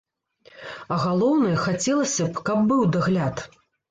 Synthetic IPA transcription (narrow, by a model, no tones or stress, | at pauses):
ɐɣalˠɔwnɨjɐxat͡sʲɛlˠɐsʲɐpkɐbːɨwd̪aɣlʲat̪